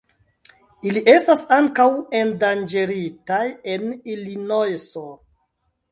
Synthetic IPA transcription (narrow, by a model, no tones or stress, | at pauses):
iliʔe̞stasaŋkawendand͡ʒeɾitaje̞nilinojso